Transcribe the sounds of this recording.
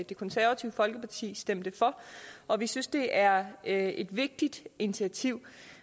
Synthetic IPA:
d̥e̝kʰɒ̽nsæɐʋæt͡sʰiʊəfɒ̽lɡ̥əpʰɑ̈t͡sʰḭːsd̥em̰d̥əfɒ̽ʔɒ̽ʋisynsd̥e̝ʔæɐe̝d̥ʋe̝ɡ̥̚d̥id̥ʔe̝nit͡sʰiæt͡sʰiʊ̰

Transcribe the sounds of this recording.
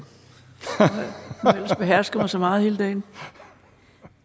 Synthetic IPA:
el̰sb̥e̝ɦæɐ̰sɡ̥ɐmɑ̈ɪsɒ̽mɑ̈ːð̩ˠhe̝ːləd̥ɛ̰ːɪn

